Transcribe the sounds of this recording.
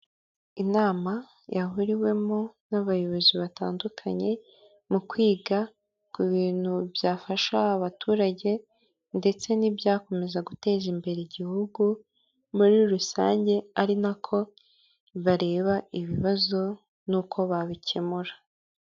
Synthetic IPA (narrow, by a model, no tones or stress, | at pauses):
inaːma | jaɦuɾiwe̞monaβajo̞βo̞ziβata̰ːndukʰaɲe̞ | mukwiːɡa | kuβiːn̥hubjaːfaʃaaβatuːɾaɟe̞ | nde̞t͡se̞nibjaːko̞me̞zaɡute̞ːzimbe̞ɾeɟihuɡu | muɾiɾusa̰ːɲɟe̞aɾinakʰo̞ | βaɾe̞ːβaiβiβazo̞ | nukʰo̞βaβicʰe̞muɾa